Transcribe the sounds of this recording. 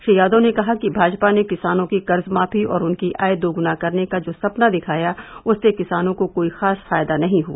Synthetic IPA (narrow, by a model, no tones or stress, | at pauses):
ʃɐjaːd̪õnekɐɦakibʱaːd͡ʒpanekɪsaːnõkikɐɾzmaːfiɔ̰ːɾʊnkiʔa̰ːed̪oːɡʊnakɐɾnekad͡ʒoːsɐpnad̪ɪkʰaːjaʊsnekɪsaːnõkokoːixaːsfaːjd̪anɐɦĩɦua̰ː